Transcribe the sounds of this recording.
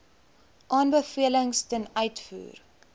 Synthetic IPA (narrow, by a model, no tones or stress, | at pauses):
ʔɑːnbəfiələŋstənœɥtfṵːr